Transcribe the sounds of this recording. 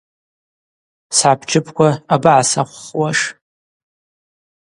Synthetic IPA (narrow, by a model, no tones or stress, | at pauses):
sʕapʰt͡ʃʰʼɪpʰkʷʰaabaʕasaχʷwaʂ